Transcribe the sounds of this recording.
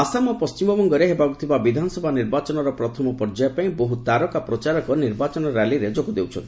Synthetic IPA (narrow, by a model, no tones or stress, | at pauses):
asamapɔst͡ʃimɔbɔŋɡɔɾeɦebakut̪ʰibabid̪ʱanɔsɔbʱaniɾbat͡ʃɔnɔɾɔpɾɔt̪ʰɔmɔpɔɾd͡ʒajɔpaĩbɔɦut̪aɾɔkapɾɔt͡ʃaɾɔkɔniɾbat͡ʃɔnɔɾaliɾed͡ʒoɡud̪ewt͡ʃʰɔ̰nt̪i